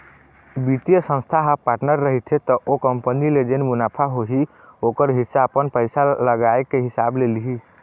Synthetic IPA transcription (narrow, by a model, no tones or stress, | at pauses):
bit̪ijəsə̃nst̪ʰaɦapaɾʈnəɾːəɦit̪ʰet̪ɔʔokəmpəniled͡ʒenmunapʰaɦoɦi | okəɾɦisaəpənpəɪsaləɡaekːeɦisablelɦi